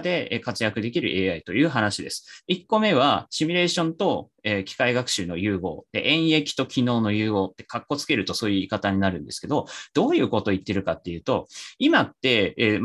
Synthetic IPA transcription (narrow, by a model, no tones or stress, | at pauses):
d̪e̞ekat͡sɨjakɯ̟d̪e̞kʲiɾɯ̟ʔe̞ːait̪o̞jɯ̟ːɦanaɕid̪e̞sɨ̥ikːo̞me̞βaɕimʲiɾe̞ːɕõ̞nt̪o̞ | eːkʲi̥kaiɡakɯ̟̥ɕɨːno̞jɯ̟ːɡo̞̰ːd̪̥e̞̰ʔẽ̞ɰ̃e̞kʲi̥t̪o̞kʲʰino̞ːno̞jɯ̟ːɡo̞ːt̪ːe̞kakːo̞t͡sɨ̥ke̞ɾɯ̟t̪o̞so̞ːjɯikat̪aɲ̟inaɾɯ̟̃nd̪e̞sɨ̥ke̞d̪o̞d̪̥o̞ːjɯ̟ːko̞t̪o̞it̪ːe̞ɾɯ̟kat̪ːe̞jɯ̟ːt̪o̞imat̪ːe̞